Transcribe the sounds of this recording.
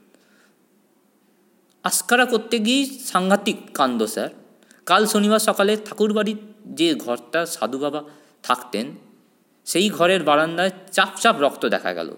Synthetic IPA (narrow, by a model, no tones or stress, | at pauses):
askaɾakoɾt̪ːeɡiejʃaŋɡʱat̪ikːand̪osa̰ɾ | kalʃoniβaɾʃɔkalet̪ʰakuɾbaɽid͡ʑeɡʱɔɾt̪aʃa̰d̪ʱubaba | t̪ʰakt̪en | ʃejɡʱɔɾeɾbaɾand̪aet͡ɕapt͡ɕapɾɔkt̪od̪ɛ̰kʰa̰ɡɛ̰lo̰